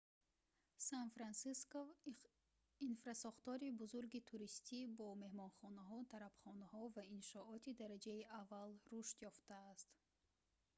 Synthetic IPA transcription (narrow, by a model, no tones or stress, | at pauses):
sanfɾansiskov | infɾasɔχt̪ɔɾibuzuɾɡit̪ʰuɾist̪ibɔme̞hmɔnχɔnaɦɔt̪ʰaɾabχɔnahɔvainʃɔɔt̪id̪aɾad͡ʒaiʔavːalruʃt̪jɔft̪aːst̪